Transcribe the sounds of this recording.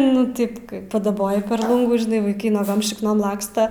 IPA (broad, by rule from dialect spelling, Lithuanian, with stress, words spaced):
nʊ ˈtʲɪp ˈkɐɪ pɐdɐˈboːjɪ pʲɛr ˈlˠʊŋɡuː ʒʲɪˈnɐɪ ʋɐɪˈkɐɪ nuɔˈɡoːm ʃʲɪkˈnoːm ˈlˠɑːkstɐ